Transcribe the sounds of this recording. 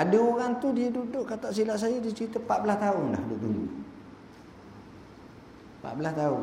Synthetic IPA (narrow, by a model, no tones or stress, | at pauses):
adəoɣaŋt̪udidudʊʔkat̪aʔsilaʔsajadit͡ʃəɾit̪əpat̪̚blast̪aʊnla̰hdʊʔdulṵ | pa̰ʔ̚blast̪aʊn